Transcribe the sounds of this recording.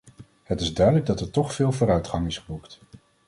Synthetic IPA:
hətɪzdœɥdələɡ̚dɑtɛɹtɔχfɪːlˠvoːɾœɥtχɑŋɪsχəbukt

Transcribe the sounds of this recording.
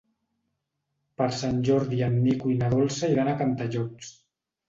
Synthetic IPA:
pəɾsanʲʒɔɾðiamːikuinaðɔlˠsaiɾanakant̪aʒɔs

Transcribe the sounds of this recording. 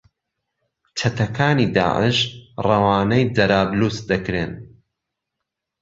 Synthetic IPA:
t͡ʃʰɐt̪ʰɐkʰaːniːd̪a̰ːʕə̰ʃrɐwaːnɐjd̪ɐɾaːbluːsd̪ɐkɾen

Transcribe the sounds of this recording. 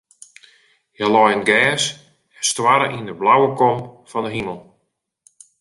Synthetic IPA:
jalɔjənɡɛːs | ɛnstwaɾəʔindəblawəkɔmfɔndəɦiməlˠ

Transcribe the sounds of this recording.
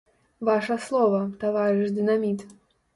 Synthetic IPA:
vaʂɐslˠɔvɐt̪avaɾɨʂd̪ɨnamʲit̪

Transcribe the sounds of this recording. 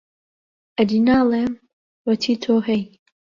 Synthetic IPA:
ʔɐd̪inaːleːm | wɐt̪ʰiːt̪ʰoːɦɛj

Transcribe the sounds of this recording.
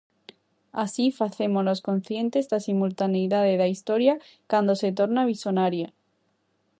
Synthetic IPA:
asifaθe̞mono̞sko̞n̟θje̞nt̪e̞zd̪asimult̪anejðaðeðaist̪o̞ɾja | kand̪o̞se̞t̪o̞ɾnaβ̞isonaɾja

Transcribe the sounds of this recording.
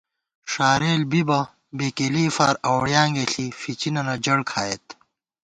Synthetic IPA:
ʂaːɾeːlbibɐ | beːkeliːfaːɾɐwɽjaːŋɡeɬifit͡ɕinɐnɐd͡ʑɐɽkʰaːjet̪

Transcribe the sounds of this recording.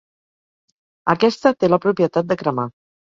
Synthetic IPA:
əkɛst̪ət̪eləpɾupiət̪at̪̚d̪əkɾəma

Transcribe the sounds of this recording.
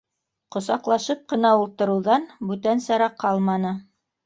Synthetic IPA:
qŏsɑqlˠɑʃɤp̚qɤ̆nɑulˠt̪ɤ̆ɾɤ̆wðɑnbʉt̪ænsɑɾɑqʰːɑlˠmɑnɤ

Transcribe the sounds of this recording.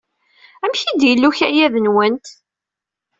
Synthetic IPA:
æmçid̪jəlːuçæjæðənwənt̪

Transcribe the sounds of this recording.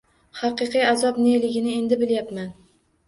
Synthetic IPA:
hɑqɨqɨjazɒpnelɪɡʲɪnɪe̞nd̪ɪbɪljapman

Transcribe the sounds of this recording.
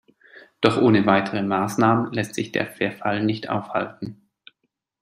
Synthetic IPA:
d̥ɔχʔoːnəvaɪtʰəʁəmaːsnaːmənlɛstz̥ɪçd̥ḛːɐfɛɐfalnɪçtʔa̰ʊfha̰ltn̩

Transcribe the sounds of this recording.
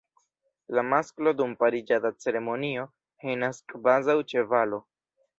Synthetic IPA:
lamasklo̞d̪umpaɾid͡ʒad̪at͡se̞ɾe̞mo̞nio̞ | henaskʼvazawt͡ʃe̞valo̞

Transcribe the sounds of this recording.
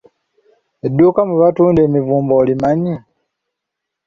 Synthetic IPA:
edːuːkamuβatuːndeːmivuːmboːlimaɲi

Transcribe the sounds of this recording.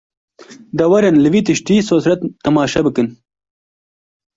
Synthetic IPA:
d̪ɐwɐɾenlɨwit̪ɨʃʈisosɾɐt̪ːɐmɑːʃɐbɨkɨn

